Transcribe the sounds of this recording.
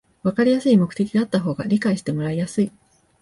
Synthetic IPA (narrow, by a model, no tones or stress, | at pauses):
βakaɾʲijasɨimo̞kɯ̟̥e̞kʲid̪eat̪ːaɦo̞ːɡaɾʲikaiɕi̥t̪e̞mo̞ɾaijasɨi